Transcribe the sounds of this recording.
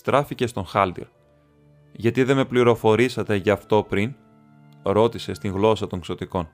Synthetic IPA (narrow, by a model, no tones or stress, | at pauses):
st̪ɾɐfice̞st̪o̞nxɐld̪ḛɾ | ʝɐt̪iðe̞me̞pliɾo̞fo̞ɾisɐt̪e̞ʝɐft̪o̞pɾin | ɾo̞t̪ise̞st̪iŋɣlo̞sɐt̪o̞ŋkso̞t̪iko̞n